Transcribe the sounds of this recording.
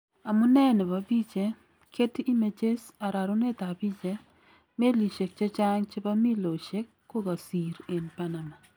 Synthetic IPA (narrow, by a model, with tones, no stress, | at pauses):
a˨mu˦nɛ˦ne˨βa˨bi˦t͡ʃe˦ | kʰe˦ti˦i˦me˨t͡ʃe˦sa˨ɾa˨ɾo˦ne˦t̪a˨bi˦t͡ʃe˦ | me˦li˨ʃe˨k̚t͡ʃe˦t͡ʃa˦ŋt͡ʃe˦ba˦mi˦lo˨ʃe˦kːo˦ɣa˨si˨ɾe˨npa˦na˨ma˨